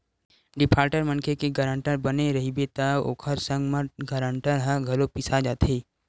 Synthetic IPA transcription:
ɖɪpʰaːɾʈəɾmɐ̃nkʰekeɡəɾə̃ɳʈəɾbɐneɾɐɦibet̪ao̰ːkʰəɾsə̃ŋɡməɡɐɾə̃ɳʈəɾɦəɡʱɐlopɪsad͡ʒaːt̪ʰeː

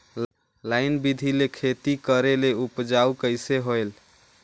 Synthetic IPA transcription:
laɪnbid̪ʱilekʰet̪ikəɾeleupd͡ʒaukəjseɦojl

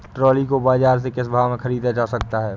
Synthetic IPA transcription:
ʈɾɔːlikobaːzaːɾs̬ekɪsbʱaːʋmẽxɐɾiːd̪ad͡ʒaːsɐkt̪aɦɛː

